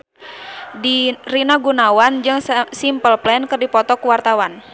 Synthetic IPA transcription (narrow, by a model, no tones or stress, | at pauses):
dirinaɡunawand͡ʒɨŋsimpəlplɛnkɨrdipɔt̪ɔkuwart̪awan